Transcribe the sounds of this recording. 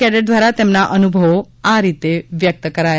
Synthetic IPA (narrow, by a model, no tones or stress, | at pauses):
ɛɖəʈ̚d̪ʋaɾat̪emnaʔənubʱəʋo | aɾit̪eʋjək̚t̪əkəɾaj